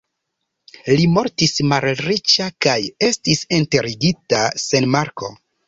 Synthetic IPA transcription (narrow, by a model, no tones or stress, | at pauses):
limo̞ɾtismalɾit͡ʃakaje̞stisinte̞ɾiɡitasenmaɾko̞